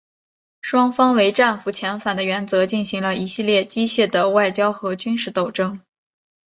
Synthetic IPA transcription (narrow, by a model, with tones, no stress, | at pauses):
ʂwɑ˥ŋfɑ˥ŋwe˧˥ɪʈ͡ʂa˥˩nfu˧˩t͡ɕʰjɛ˧˥nfa˨˩nd̪ə˦ɥɛ˧˥nt͡sɤ˧˥t͡ɕi˥˩nɕi˧˥ŋlə˧i˧˥ɕi˥˧ljɛ˥˩t͡ɕi˥ɕjɛ˥˩d̪ə˩wa˥˩ɪt͡ɕjɑ˥ʊxɤ˧˥t͡ɕy˥nʂɻ̩˥˩t̪o˨˩ʊʈ͡ʂɤ˥ŋ